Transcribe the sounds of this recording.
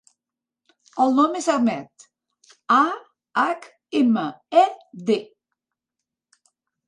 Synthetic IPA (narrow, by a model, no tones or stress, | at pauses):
əlˠnɔmezaɾmɛt̪ | a | ak | eməɛd̪e